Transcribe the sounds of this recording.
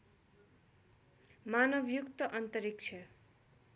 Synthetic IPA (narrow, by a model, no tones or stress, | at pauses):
manʌbjukt̪ʌʔʌnt̪ʌɾik̚t͡sʰʌ